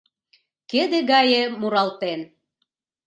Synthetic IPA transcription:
ked̪ĕɣɑjemuɾɑlt̪en

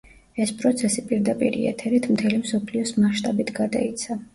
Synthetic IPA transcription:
ɛspʼɾɔt̪sʰɛsipʼiɾd̪apʼḭɾḭɛ̰t̪ʰɛɾit̪ʰmt̪ʰɛlimsɔpʰliɔsmaʃt̪ʼabit̪ʰɡad̪a̰it̪sʰa

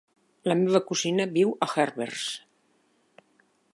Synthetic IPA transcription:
ləmeβəkuzinəβiwəxɛrβḛrs

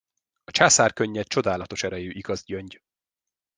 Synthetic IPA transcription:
ɒt͡ʃaːsaːrkøɲːɛt͡ʃo̞d̪aːlɒt̪o̞ʃɛɾɛjøːʔiɡ̥ɒzɟøɲɟ

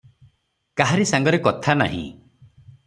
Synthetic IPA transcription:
kaɦaɾisaŋɡɔɾekɔt̪ʰana̰ɦḭ̃

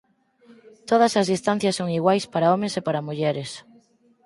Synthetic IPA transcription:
t̪oðɐsɐzðist̪an̟θjɐsːoŋiɣwajspaɾaomẽsepaɾɐmuʎɛɾes

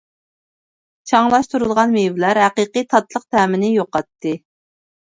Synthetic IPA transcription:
t͡ʃʰɑŋlˠɑʃt̪uɾulˠʁɑnmevlæɾɦæqiqɨt̪ʰɑt̪lˠəq̚t̪ʰæːmɪnɪjoqɑt̪ʰːɨ

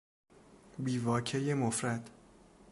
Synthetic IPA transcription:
biːvɒːcʰejemofɾæd̪̥

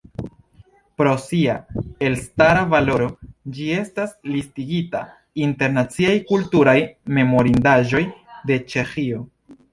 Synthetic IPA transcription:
pɾo̞siae̞lstaɾavalo̞ɾo̞d͡ʒie̞staslistiɡita̰ | inte̞ɾnat͡siajkultuɾajme̞mo̞ɾindaʒo̞jde̞t͡ʃe̞xio̞

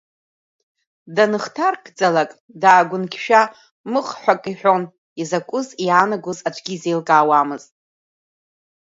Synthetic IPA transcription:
danɨχtʰarkʰd͡zalakʼ | daːɡʷʊnkʲʰʃᶣa | mɨχħʷᶣakʼiħʷᶣo̞n | izakʷʼʊzianaɡʷʊzat͡ʃʷʰɡʲizejlɡʼaːwamɨztʼ

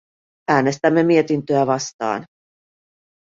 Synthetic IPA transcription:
æːne̞st̪æmːe̞mie̞t̪int̪øæʋɑst̪ɑ̰ːn

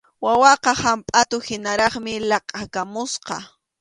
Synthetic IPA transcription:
wawɑqɑhampʼat̪ʊhɪnaɾɑχmɪlɑqʼakamʊsqɑ̰

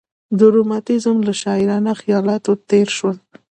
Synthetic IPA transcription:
d̪ʊɾomɑt̪ɪzmlaʃɑɪɾɑnaxijɑlɑt̪ot̪eɾʃwəl

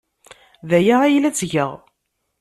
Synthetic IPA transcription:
ðæjaʁæjlæt͡sːʝəʁ

